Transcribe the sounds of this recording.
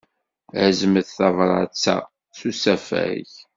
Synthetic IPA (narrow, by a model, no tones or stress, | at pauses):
æzəməθθɑvɾˤɑt͡sːæ̰ | θusæfæ̰ç